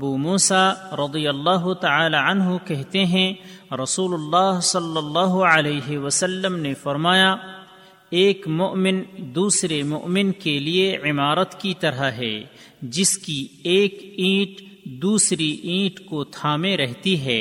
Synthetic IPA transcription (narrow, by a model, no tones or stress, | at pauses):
ɐbuːmuːsaɾɐd̪ijəlːaːɦʊt̪ɐaːlaɐnɦukɛɦt̪eɦɛ̃ɾɐsuːlʊlːaːɦsɐlːəlːɑːɦoɐleːɦewəsəlːəmnefɐɾmaːja | eːkmʊʔmɪnd̪uːsɾemʊʔmɪnkelieʕɪmaːɾət̪kit̪ɐɾaɦɛ̰ː | d͡ʒɪskieːkĩːʈ | d̪uːsɾiʔĩːʈkot̪ʰaːmeɾɛɦt̪iɦɛː